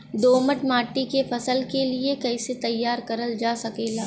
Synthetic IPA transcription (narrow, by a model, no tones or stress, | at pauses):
d̪oːməʈmaːʈːikefɐsəlkeliekɛɪset̪ɐjːaːɾkɐɾəld͡ʒaːsɐkeːlaː